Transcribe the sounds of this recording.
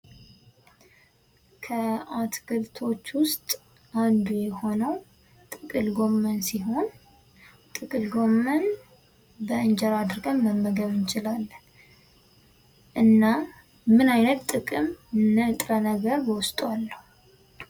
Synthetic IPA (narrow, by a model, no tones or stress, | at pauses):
kʰəat̪kʰɨlt̪ʰo̞t͡ʃːwʊst̪ʼ | and̪ujɛho̞nəw | t̪ʼɨkʼɨlɡo̞mːənsiɦo̞n | t̪ʼɨkʼɨlɡo̞mːən | bəɨnd͡ʒɛɾad̪ɨɾɡəmːəmːəɡəβɨnt͡ʃɪlalːən | ʔɨnːa | mɨnajnət̪t̪ʼɨkʼɨmnət̪ʼɾənəɡəɾbəwʊst̪ʼwalːəhu